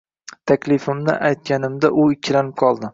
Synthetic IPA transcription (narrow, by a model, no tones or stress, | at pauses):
t̪ʰakʲlɪfɪmnɪ̰ʔajt̪̚kʲanɪmd̪aʔʊɪkʲʰːlanɪp̚qʰɒlˠd̪ɪ